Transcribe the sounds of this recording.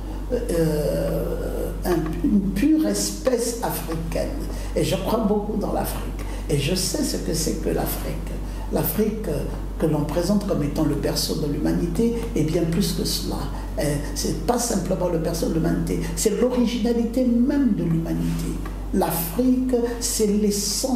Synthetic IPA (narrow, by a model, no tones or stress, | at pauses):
ɛ̃ | ynpyʁɛspɛs | afχikɛ̰n | eʒəkwabokud̪ɑ̃la̰fχik | eʒəsɛsəkəsɛ̰kə̰la̰fχik | lafχikː | əlɔ̃pχezɑ̃t̪kɔmet̪ɑ̃ləpɛʁsod̪əlymanit̪e | ɛbjɛ̃plyskəsəla̰ | ɛ | sɛpasɛ̃pləmɑ̃ləpɛʁsod̪əlymanit̪e | sɛlɔʁiʒinalit̪emɛmd̪əlymanit̪ʰe | lafχik | sɛlesɑ̃